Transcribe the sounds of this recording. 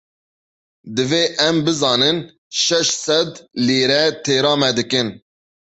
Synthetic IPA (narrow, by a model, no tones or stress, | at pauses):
d̪ɨveːʔɛmbɨzɑːnɨn | ʃɛʃsɛd̪liːɾɛt̪ʰeːɾɑːmɛd̪ɨkɨn